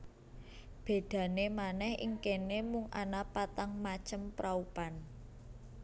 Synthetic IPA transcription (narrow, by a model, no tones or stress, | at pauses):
b̥e̤d̪̥ä̤nemanɛhḭŋkenemʊŋʔa̰napat̪aŋmat͡ʃəmpɾaupan